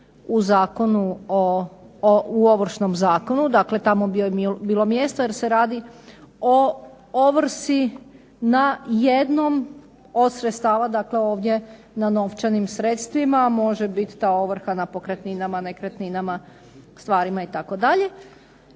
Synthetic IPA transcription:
uzaːko̞nuo | uoʋr̩ʃno̞mzaːko̞nud̪akle̞t̪amobiobiːlˠo̞mje̞st̪oje̞ɾse̞ɾaːd̪io | oʋr̩si | najed̪no̞m | o̞d̪sɾet̪st̪aːʋad̪akle̞o̞ːʋd̪je̞ | nano̞ʋt͡ʃanimsɾet̪st̪ʋimamo̞ʒebit̪ːaːo̞ʋr̩xanapo̞kɾet̪ninamane̞kɾet̪ninama | st̪ʋaːɾimait̪ako̞d̪aʎe̞

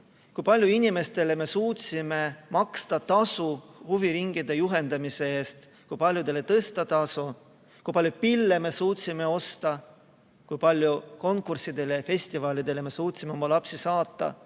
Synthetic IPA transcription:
kujpɑlʲjuinime̞st̪e̞le̞me̞suːt̪sime̞mɑkst̪ɑt̪ɑsuhuviɾiŋɡ̥id̪̥e̞juɦe̞nd̪ɑmise̞e̞ːst̪ | kujpɑlʲjud̪̥e̞le̞t̪ɤst̪ɑt̪ɑsu | kujpɑlʲjupilːe̞me̞suːt̪ʲsime̞o̞st̪ɑ | kujpɑlʲjuko̞ŋkːˑursid̪e̞lejfe̞sʲt̪ivɑːlid̪e̞le̞me̞suːt̪simeo̞mɑlɑpsisɑːt̪ːˑɑ̰

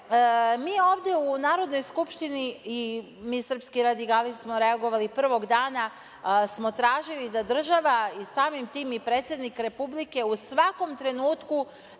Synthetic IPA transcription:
miːo̞ːʋd̪je̞unaːɾo̞d̪no̞jskupʃt̪inii | miːsr̩pskiɾad̪ikalissmo̞ɾe̞aɡo̞ʋalipr̩ʋo̞ɡd̪aːna | smo̞t̪ɾaːʒilid̪ad̪r̩ʒaʋaisaːmimt̪iːmipɾe̞ːt̪sje̞d̪nikɾe̞publike̞usʋako̞mt̪ɾe̞nuːt̪ku

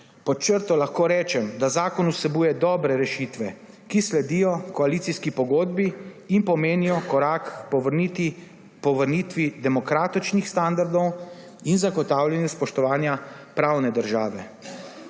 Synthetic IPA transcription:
pɔt͡ʃəɾt̪ɔlaxkoːɾɛːt͡ʃɛmd̪azaːkɔnusɛbuːjɛd̪ɔːbɾɛɾɛʃit̪ʋɛ | kislɛd̪ijɔkɔalit̪siskipɔɡoːd̪biː | npɔmeːnijɔkɔɾaːkt̪ | pɔʋəɾnit̪ʋid̪ɛmɔkɾaːt̪it͡ʃnixst̪and̪aɾd̪ɔw | inzaɡɔt̪aːwljɛnjuspɔʃt̪ɔʋaːnjapɾawnɛd̪əɾʒaːʋɛ

